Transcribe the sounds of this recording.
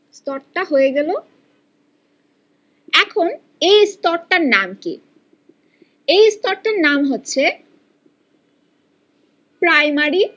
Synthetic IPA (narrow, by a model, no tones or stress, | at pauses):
st̪ɔɾʈaɦojeɡɛlo | ɛkʰon | ejst̪ɔɾʈaɾnamkḭ | ejst̪ɔɾʈaɾnamɦotːɕʰe | pɾajmaɾi